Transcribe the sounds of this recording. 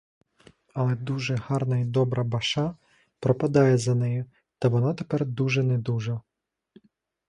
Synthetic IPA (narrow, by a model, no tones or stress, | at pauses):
ɐlˠɛd̪uʒɛhɑrnɐid̪ɔbɾɐbɐʃɑ | pɾɔpɐd̪ɑjɛzɐnɛjʊ | t̪ɐʋɔnɑt̪epɛrd̪uʒɛnɛd̪uʒɐ